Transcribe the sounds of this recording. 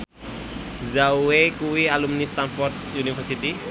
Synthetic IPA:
zawekuwialumnist̪anfɔrt̪̚unifɛrsit̪i

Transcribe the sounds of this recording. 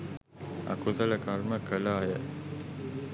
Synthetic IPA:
a̰kuzələkaɾməkəlaːjə

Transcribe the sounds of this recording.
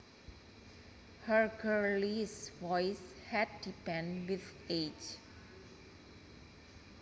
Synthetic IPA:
həɹɡəɹliswɔjshɛd̚ːipɛ̃nwiθed͡ʒ

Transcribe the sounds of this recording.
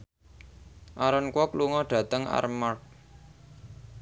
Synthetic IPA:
ʔaɾɔnkwɔkluŋɔɖ̪̥a̤t̪əŋa̰rmart̪̚

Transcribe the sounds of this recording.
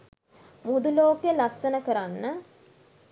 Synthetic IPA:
mud̪uloːkeəlasːənəkəɾanːə

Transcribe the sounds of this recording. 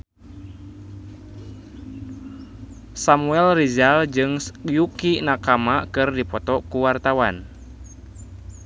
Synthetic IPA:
samuɛlrizald͡ʒɨŋjukinakamakɨrdipɔt̪ɔkuwart̪awan

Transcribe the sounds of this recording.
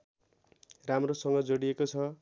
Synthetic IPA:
ramrosʌŋɡʌd͡zoɽiekot͡sʰʌ

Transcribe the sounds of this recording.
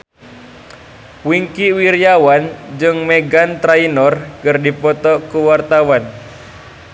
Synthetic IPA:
wiŋkiwiɾjawand͡ʒɨŋmɛɡant̪ɾainɔrkɨrdipɔt̪ɔkuwart̪awan

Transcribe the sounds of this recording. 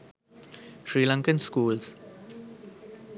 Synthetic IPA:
ʃɹiːlãŋkə̃nskuːls

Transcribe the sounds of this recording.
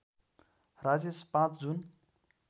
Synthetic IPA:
rad͡zespãt͡sʰd͡zun

